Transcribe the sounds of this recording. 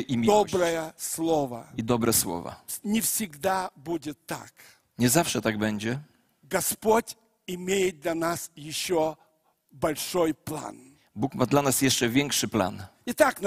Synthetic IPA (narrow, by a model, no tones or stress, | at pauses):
ʔimʲid̪ɔbɾɐjəslˠovɐ̰id̪ɔbɾɛswɔ̰va̰nʲɪfsʲɪɡd̪abudʲɪt̪ːa̰k | ɲɛzafʂɛt̪aɡbɛɲd͡ʑɛ | ɡɐspotʲ | ɪmʲejɪt̪̚d̪lʲɐnasjɪɕːɔ | bɐlʲʂojplˠa̰n | bukmad̪lanasjɛʂt͡ʂɛvʲjɛŋkʂɘpla̰n | ɪt̪akn